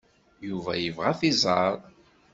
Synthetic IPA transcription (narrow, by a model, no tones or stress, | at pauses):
juvæjəvʁæθizˤɑɾˤ